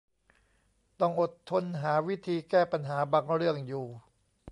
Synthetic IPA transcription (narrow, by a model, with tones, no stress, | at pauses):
t̪ɔ˥˩ŋʔo˨˩t̪ʰːo˧nɦaː˩˦wi˦˥t̪ʰiː˧kɛː˥˩pa˧nɦaː˩˦baː˧ŋɾɯ˥˩əŋjuː˨˩